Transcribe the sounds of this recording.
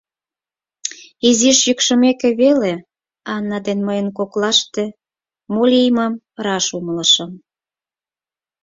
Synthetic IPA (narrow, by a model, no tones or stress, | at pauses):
iziʃjykʃə̆mekĕβele | ɑnːɑd̪enməjənkoklɑʃt̪e | molʲiməm | rɑʃumələʃə̆m